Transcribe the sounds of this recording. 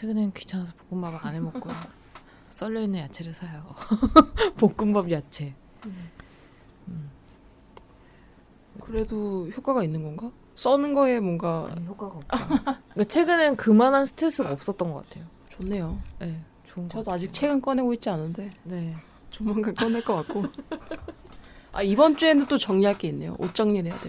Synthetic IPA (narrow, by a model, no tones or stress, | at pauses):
t͡ɕʰeɡɯnenkɥi̥t͡ɕʰaŋsʰʌpo̥k͈ɯmbabɯanemʌkk͈o | s͈ʌʎːʌinːɯnjat͡ɕʰeɾɯɭsʰajʌo | pok̚k͈ɯmbabjat͡ɕʰe̞ | ɯm | ekɯɾe̞doçjok͈aɡainːɯnɡʌnɡa | s͈ʌnɯnɡʌe̞mwʌŋɡak | kat͡ɕʰwe̞ɡɯnɯnkɯmanansʰɯ̥tʰɾes͈ɯɡaʌp̚s͈ʌt̚t͈ʌnɡʌk͈atʰe̞jo | t͡ɕonːe̞joje̞ | t͡ɕʌdoad͡ʑik̚t͡ɕʰe̞ɡɯnk͈ʌnɦe̞ɡoit̚t͡ɕ͈ianɯnde̞ne | t͡ɕomːaŋkank͈ʌnɦeɭk͈ʌkak̚k͈o | a̰ibʌnt͡ɕ͈ue̞nɯnt͈ot͡ɕʌŋɲiɦaɭk͈e̞inːe̞jo̰ʔot͡ɕ͈ʌŋɲiɾɦe̞ja̰de